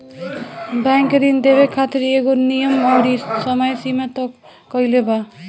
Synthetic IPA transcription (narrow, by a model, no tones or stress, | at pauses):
baŋkeɾind̪ebekʰat̪iɾeɡonijʌmʌwɽisʌmʌjsimat̪ɔkː | ʌjleba